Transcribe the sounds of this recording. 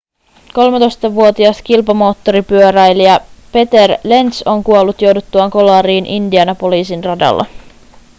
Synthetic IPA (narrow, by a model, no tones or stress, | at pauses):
ko̞lmet̪o̞jst̪ɑʋuo̞t̪iɑst̪kilpɑmo̞ːt̪ːo̞ɾipyøɾæjlijɑpe̞t̪e̞rle̞nt̪so̞ŋkuolːut̪jo̞wdut̪ːuɑŋko̞lɑːɾiːnʔindiɑnɑpo̞liːsinrɑdɑ̰lːɑ̰